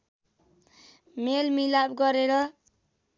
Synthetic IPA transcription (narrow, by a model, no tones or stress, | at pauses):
melmilabɡʌɾeɾʌ